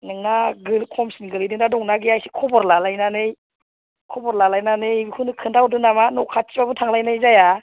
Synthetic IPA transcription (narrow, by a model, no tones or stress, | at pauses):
nɯŋnaɡɯlkʰɔmsinɡɯlɯdɯŋdadɔŋnaɡiajsi̥kʰɔbɔɾlalajnanɯj | kʰɔbɔɾlalajnanɯjbihʰunɯkʰɯndawdɯnamanɔkʰat͡ʃibabɯtʰaŋlajnajzaja